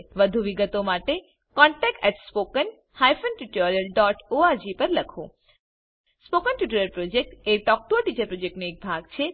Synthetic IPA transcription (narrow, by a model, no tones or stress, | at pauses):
ʋəd̪ʱuʋiɡət̪omaʈe | kɔɳʈɛkʈɛʈspokən | hajfənʈuʈoɾijəlɖɔʈoad͡ʒipəɾləkʰo | spokənʈuʈoɾjəɾpɾod͡ʒek̚ʈeʈɔk̚ʈoʈit͡ʃəɾpɾod͡ʒek̚ʈnoek̚bʱaɡt͡ʃʰe